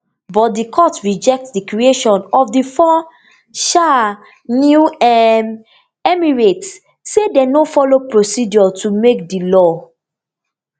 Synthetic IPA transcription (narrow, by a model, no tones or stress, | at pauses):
bɔt̚dikʰɔtɹid͡ʒɛk̚tdikɹieʃɔ̃nɔfdifɔ | ʃa | njuɛm | ɛmiɹets | sedɛnofɔlopɹosidɔtʰumek̚dilɔ